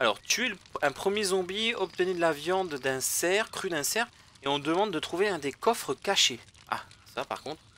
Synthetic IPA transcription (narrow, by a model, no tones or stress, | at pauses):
alɔʁt̪yeləɛ̃pχəmjezɔ̃biɔp̚t̪ənid̪lavjɑ̃d̪ːɛ̃sɛʁkχyd̪ɛ̃sɛʁ | eɔ̃d̪əmɑ̃d̪ːət̪χuveɛ̃d̪ekɔfχəkaʃe | a̰sapa̰ʁkɔ̃t̪χ